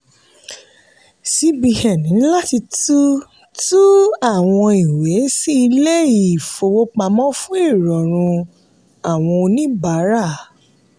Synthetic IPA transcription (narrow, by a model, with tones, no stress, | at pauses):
si˧˦bi˧hɛ˨nĩ˨˦la˦ti˧tu˦ | tu˦a˦˨w̃ɔ̃˧i˨we˨˦si˦i˧le˦i˦˨fo˧wo˦k͡pa˧mɔ̃˦fũ˦i˦˨ɾɔ˨ɾ̃ũ˧ | a˦˨w̃ɔ̃˧o˧nĩ˦ba˨˦ɾa˦˨